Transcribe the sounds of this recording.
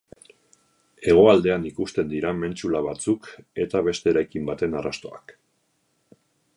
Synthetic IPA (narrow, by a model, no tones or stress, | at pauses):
e̞ɣ̞o̞ald̪e̞anikust̪e̞nd̪iɾame̞nt͡ʃulaβat͡suke̞t̪aβe̞st̪e̞ːɾajkimbat̪e̞nara̰st̪o̞a̰k